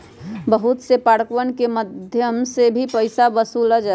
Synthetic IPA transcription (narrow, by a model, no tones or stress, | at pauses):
bəɦut̪sepaːɽəkwənkeməd̪ʱjəmsebʱipəɪsabəsuləd͡ʒa